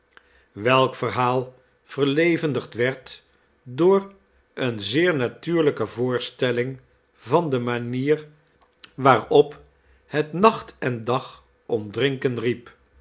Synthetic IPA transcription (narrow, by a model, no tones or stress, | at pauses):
ʋɛlˠkfərɦaːlˠ | v̥əɹlejvəndəχtʋɛɹt | dʊːr | ənzɪːɹnatyːɹləkəvʊːɹstɛlɪŋ | vɑndəmaniːr | ʋaːrɔp | hətnɑχtɛndɑχ | ɔmdrɪŋkənrip